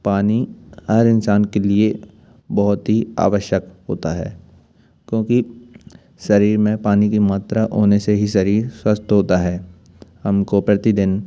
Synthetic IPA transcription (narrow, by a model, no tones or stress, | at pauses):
paːnihɐɾɪnsaːnkelie | bɐɦʊt̪ɦia̰ːʋəʃjəkɦoːt̪aɦɛ̰ː | kjõːki | ʃɐɾiːɾmẽpaːnikimaːt̪ɾaʔoːneseɦiʃɐɾiːɾswəst̪ɦoːt̪aɦɛː | hɐmkopɾɐt̪id̪ɪn